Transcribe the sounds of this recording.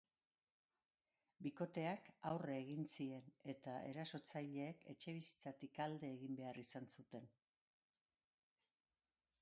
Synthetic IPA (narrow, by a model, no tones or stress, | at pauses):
biko̞t̪e̞akawreːɣ̞insie̞ne̞t̪ae̞̰ɾaso̞t͡sajʎe̞ːkʰe̞̰t͡ʃe̞β̞isi̥t͡sat̪ikald̪e̞ːɣimbe̞arisansut̪e̞n